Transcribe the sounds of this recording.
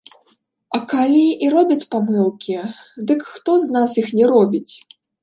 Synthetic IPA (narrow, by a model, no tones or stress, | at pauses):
ɐkalʲiːɾɔbʲɐt͡sʲpamɨlˠkʲid̪ɨkxt̪ɔznasjixnʲɛɾɔbʲit͡sʲ